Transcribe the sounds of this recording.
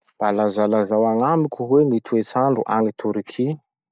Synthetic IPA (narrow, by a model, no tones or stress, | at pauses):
b̥alazalazawaŋamikʲuɦwemit̪ʰuet͡saɳɖ͡ʐṵʔaŋit̪ʰuɾikʰi